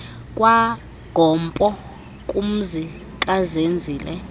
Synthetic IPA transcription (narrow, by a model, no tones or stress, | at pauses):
kʼwa | ɡ̥ʱɔmpʼɔ | kʼum̩zi | kʼazend͡zʱiːlɛ